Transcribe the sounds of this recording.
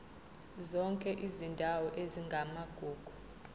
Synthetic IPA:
zɔŋkʼɛʔizindʱawɔʔeziŋɡʱamaɡ̥ʱuːɡ̥ʱu

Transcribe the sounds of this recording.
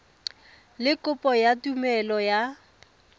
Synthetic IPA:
lɪkʊpʼɔjatumɛlɔja

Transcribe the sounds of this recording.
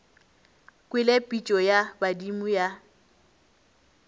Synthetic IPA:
kʼwɪlepʼit͡ʃʼɔjabadimuja

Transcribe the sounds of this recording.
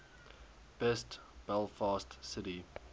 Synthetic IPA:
b̥ɛstb̥ɛlˠfɑːstsɪti

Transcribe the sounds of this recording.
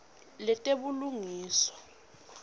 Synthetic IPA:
lɛtʼeɓuluŋiːsɔ̥

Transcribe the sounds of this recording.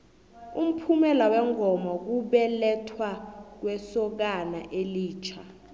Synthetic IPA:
um̩pʰumɛlawɛŋɔmɔk̬uɓɛlɛtʰwak̬wɛsɔk̬anaʔeliːt͡ʃʰa

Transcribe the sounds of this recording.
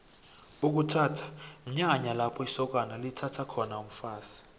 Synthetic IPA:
uk̬utʰaːtʰḁm̩ɲaɲalapʰɔisɔk̬analitʰatʰakʰɔnaum̩faːsi̥

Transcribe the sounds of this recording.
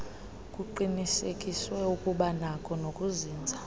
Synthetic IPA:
kʼuǃinisekʼiswɛukʼuɓanakʼʰɔnokʼuziːnd͡zʱa

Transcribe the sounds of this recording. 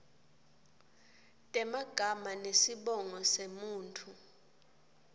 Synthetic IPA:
tʼɛmaɡ̥ʱamanesiɓɔŋɔsemuːntʰu

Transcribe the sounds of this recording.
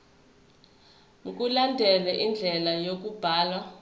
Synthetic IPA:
ŋk̬ʼulandʱɛlɛʔind͡ɮʱɛlajok̬ub̥ʱaːlwa

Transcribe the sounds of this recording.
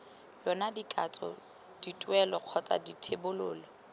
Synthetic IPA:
jɔnadikʼat͡sʼɔ̰ | d̥itʼwɛlɔq͡χʰɔt͡sʼa̰ditʰebʊlʊːlɔ

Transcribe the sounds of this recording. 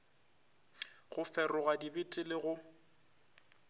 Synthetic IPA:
ɣʊfɛrʊɣadibɪtʼɪlɪɣʊ

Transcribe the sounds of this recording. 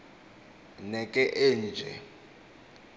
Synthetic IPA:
nɛkʼɛʔen̩d͡ʒʱɛ̰

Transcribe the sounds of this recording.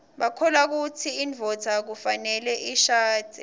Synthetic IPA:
ɓakʰɔlak̬utʰiinvʱɔtʰak̬ufanɛlɛʔiʃaːd̥ʱi

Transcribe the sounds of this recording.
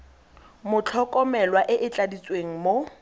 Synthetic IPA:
mʊt͡ɬʰɔkʼɔmɛlwaʔɪʔɪt͡ɬʼadit͡sʼweŋ̩mo

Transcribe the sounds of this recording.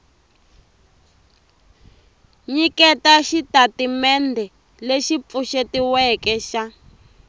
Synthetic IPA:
ɲikɛtaʃitatimɛndʱɛ | leʃip̪fuʃetiwɛkɛʃa

